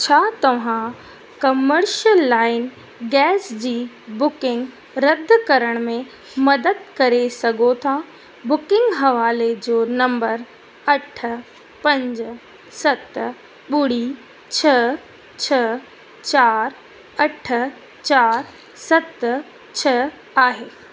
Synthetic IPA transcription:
t͡ɕʰaːt̪ɐʋ̤ã | kɐməɾʃəlːaːɪn | ɡɛːsd͡ʑiː | bʊkɪ̃ŋɡ | ɾɐd̪ʱkɐɾəɽ̃mẽ | mɐd̪əd̪̚kɐɾesɐɡʱot̪ʰa | bʊkɪ̃ŋɡɦɐʋaːled͡ʑoːnɐ̃mbəɾ | ɐʈʰə̆ | pɐ̃ɲd͡ʑ | sɐt̪ | ɓʊɽi | t͡ɕʰɐ | t͡ɕʰɐ | t͡ɕaːɾ | ɐʈʰə̆ | t͡ɕaːɾ | sɐt̪ | t͡ɕʰɐ | aːɦeː

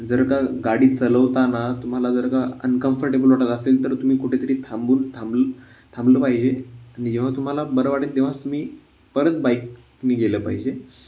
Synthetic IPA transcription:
d͡zəɾkaɡaɽiːt͡sələʋt̪anat̪um̤alad͡zəɾkaənkəmfəɾʈebəlʋaʈat̪əselt̪əɾt̪um̤iːkuʈʰet̪əɾiːt̪ʰambuːnt̪ʰamblə | t̪ʰãmbləpaɦid͡ʑeañid͡ʑẽʋ̤at̪um̤alabəɾəʋaʈeld̪eʋ̤at͡st̪um̤iː | pəɾət̪̚bajk | niɡeləpa̰ɦid͡ʑe

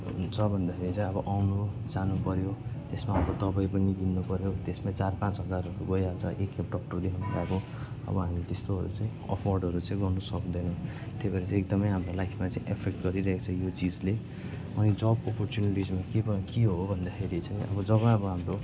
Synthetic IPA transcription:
d͡zʌbʱʌnd̪akʰeɾit͡saĩʌbʌʔawnud͡zanupʌɾjot̪esmaɦamɾod̪ʌbʌjp̬ʌniɡ̪inːupʌɾjot̪esmat͡sarpãt͡sɦʌd͡zaɾʌɾuɡʌjad͡zʰʌʔekepɖʌkʈʌrd̪ekʰʌnlakõ | ʌ̰bʌɦamilet̪est̪oɦʌɾṵt͡sãĩʌ̰pʰɔrɖʌɾut͡sãĩɡʌnɖusʌkd̪ʌnʌ̃w̃ | t̪ebaɾet͡sãek̚d̪ʌmʌjɦamɾolajkʰmat͡sãĩʔepʰek̚ʈɡʌɾiɾʌɦekt͡sʰʌjot͡sid͡zle | ʌnid͡zʌbɔpɔrt͡sjuniʈid͡zmakekiɦobʱʌnd̪akʰeɾit͡saĩʌ̰bʌd͡zʌβʌ̃ʌbʌɦamɾo

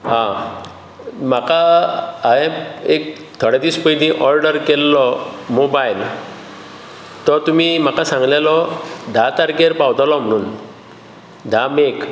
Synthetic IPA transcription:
ɦã | m̤akaː | ɦẽek̚ | t̪ʰɔɽad̪iːspəjd̪ĩʔɔɾɖəɾkelːɔmobajl | t̪ɔt̪um̤im̤akasãŋɡlalɔd̪ʱat̪aɾkeɾpawd̪alɔm̤əɽ̃uːn | d̪ʱamek

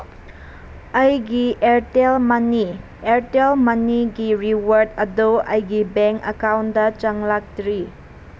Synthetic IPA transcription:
ɐjɡiʔeɾtelmɐni | eɾtelmɐniɡiɾiwəɾdɐdoɐjɡibɛŋkɐkawndɐt͡ʃɐŋlak̚dɾi

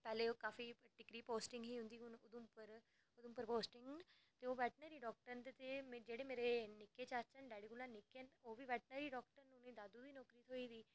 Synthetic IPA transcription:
pɛːleːokaːfʰiːʈɪkɾiːpoːsʈɪŋɡɦiːɦʊ̃nd̪iːʊnʊd̪ʊ̃ːpəɾ | ʊd̪ʊ̃mpəɾpoːsʈɪ̃ŋɡ | t̪eːoːʋɛːʈnəːɾiːɖɔːk̚ʈəɾnt̪et̪eːmed͡ʒeːɽeːmeːɾeːnɪkːeːt͡ʃaːt͡ʃənɖɛːɽiɡʊlãːnɪkẽnoːʋiːʋɛːʈnəːɾiːɖɔːkʈəɾnunẽːd̪aːd̪uːd̪iːnɔːkɾiːt̪ʰoːiːd̪iː

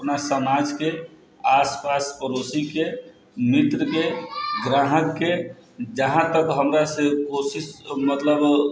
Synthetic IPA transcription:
əpnasəmad͡ʒke | aspaspəɾosike | mit̪ɾəkeɡɾaɦəkːed͡ʒəɦãt̪əkɦəmɾasekosismət̪ləb

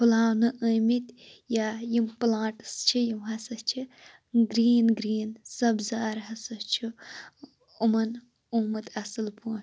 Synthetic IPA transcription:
pʰulaːwnɨʔəːmit̪ | jajimplãːʈɨst͡ʃʰijimɦɐsɐst͡ʃʰi | ɡɾiːnɡɾiːnsɐbzaːɾɦɐsɐht͡ʃʰu | umɐn | uːmɨt̪ʰɐsɨlpʰuːn

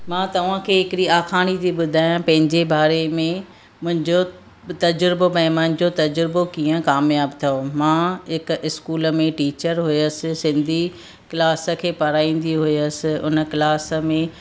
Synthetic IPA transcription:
mãːt̪ɐʋ̤ãkʰeːɦɪkɪɽiaːxʰaːɽ̃it̪ʰiɓʊd̪ʱaːjãpɐ̃ɦɪ̃ɲd͡ʑebaːɾemẽ | mʊ̃ɦɪ̃ɲd͡ʑo | t̪ɐd͡ʑɾɪbobɐ̃mə̃ɪ̃nɲd͡ʑot̪ɐd͡ʑɾɪbokiːə̃kaːmjaːbt̪ʰiomãːɦɪkɪskuːlə̆mẽʈiːt͡ɕəɾɦʊjəsɪ̆sɪ̃nd̪ʱi | klaːsə̆kʰeːpɐɾaːĩːn̆d̪iɦʊiəsɪ̆ʊnəklaːsə̆mẽ

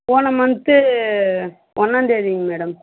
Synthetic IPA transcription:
poːnɐmɐnt̪ːɯ | ʔɔnːaːnd̪eːɾiŋɡɐmeːɽɐm

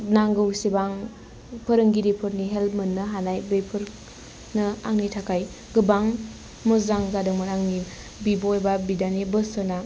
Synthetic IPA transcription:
naŋɡɯwsibaŋ | pʰɯɾɯŋɡiɾipʰɯɾniɦelmɯnːɯɦanajbejpʰɯɾ | nɯaŋnitʰakʰaj | ɡɯbaŋ | mɯzaŋzadɯŋmɯnaŋni | bibojbabidanebɯsɯna

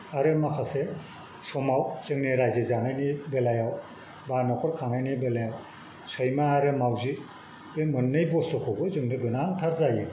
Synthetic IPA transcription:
aɾɯmakʰase | sɔmawz̥ɯŋniɾajzɯzanajnibelajaw | banɔkʰɔɾkʰaŋnajnibelajaw | sɔjmaːɾɯmawzi | bemɯnːɯjbɔstʰɯkʰɔwbɯzɯŋnɯɡɯnaŋtʰaɾzajɯ

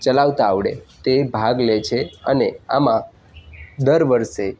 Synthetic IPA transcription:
t͡ʃəlaʋt̪aːʋɽḛt̪ebʱaɡlet͡ʃʰeəneamã | d̪əɾʋəɾʃe

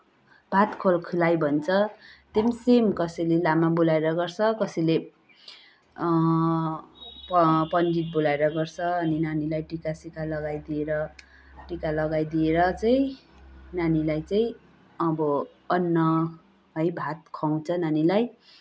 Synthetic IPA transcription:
bʱat̪kʰolkʰulajbʱʌnt͡sʰʌt̪emsemkʌsʌjlelamabulaeɾʌɡʌrt͡sʰʌkʌsʌjle | pʌpʌndit̪̚bulaeɾʌɡʌrt͡sʰʌʌninanilajʈikasikalʌɡajd̪ieɾʌ | ʈikalʌɡajd̪ieɾʌt͡sʌj̃ | nanilajt͡sʌĩ | ʌbʌ | ʌnːʌ | ɦʌjbʱat̪kʰʌw̃t͡sʰʌnanilaj

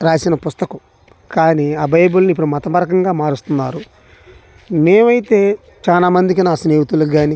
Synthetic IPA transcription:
ɾaːsinɐpust̪ɐku | kaːniaːbɐjbulnip̬ːuɽumɐt̪ɐpɐɾɐkɐŋɡaːmaːɾust̪unːaːɾu | neːʋɐjit̪e̞ː | t͡ʃaːlaːmɐnd̪ik̬inaːsneːɦut̪uluɡaːni

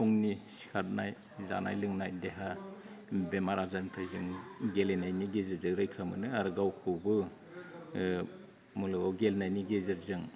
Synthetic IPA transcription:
pʰuŋnisi̥kʰat̚naj | za̰na̰jlɯŋnajdeɦa | bemaɾazanpʰɯjzɯŋɡelenajniɡezɯɾzɯɾɯjkʰɾamɯnɯaɾɡawkʰɯbɯ | mulɯawɡelnajniɡezɯɾzɯŋ

